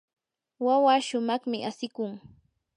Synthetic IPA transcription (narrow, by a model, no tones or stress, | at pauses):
wawaʃʊmɑχmɪʔasɪkʊŋ